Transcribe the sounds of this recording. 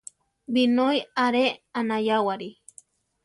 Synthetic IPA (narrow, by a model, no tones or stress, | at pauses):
binojaɾeanajawaɾi